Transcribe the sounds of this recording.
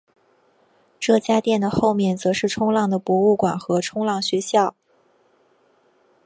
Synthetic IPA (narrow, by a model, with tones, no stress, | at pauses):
ʈ͡ʂɤ˥˩t͡ɕja˥t̪jɛ˥˩nd̪ə˩xo˥˧ʊmjɛ˥˩nt͡sɤ˧˥ʂɻ̩˥˩ʈ͡ʂʰʊ˥ŋlɑ˥˩ŋd̪ə˩pwɔ˧˥u˥˩kwa˨˩nxɤ˧˥ʈ͡ʂʰʊ˥ŋlɑ˥˩ŋɕɥɛ˧˥ɕjɑ˥˩ʊ